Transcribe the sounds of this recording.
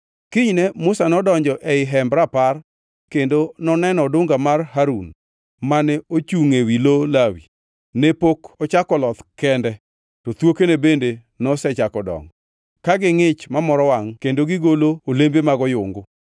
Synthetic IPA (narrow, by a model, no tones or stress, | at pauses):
kɪɲnɛmʊsanɔdɔɲd͡ʒɔʔɛɪɦɛmbɾapar | kendonɔnɛnɔdʊŋɡamarɦaɾun | manɛot͡ʃuŋewilolawḭ | nepokɔt͡ʃakɔlɔt̪kɛndɛ | tɔt̪wokenebende | nɔsɛt͡ʃakɔdɔ̰ŋ | kaɡɪŋɪt͡ʃmamɔɾɔwaŋkendoɡɪɡoloolembemaɡɔjʊŋɡʊ